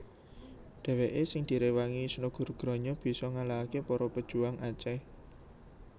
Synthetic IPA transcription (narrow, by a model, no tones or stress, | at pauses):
ɖ̪̥ɛ̤weʔesɪŋd̪̥i̤ɾewaŋisnuɡ̥ʊ̤rɡ̥ɾɔ̤ɲɔb̥i̤sɔŋalaɦakepɔɾɔpəd̥ʒ̥ṳaŋʔat͡ʃɛ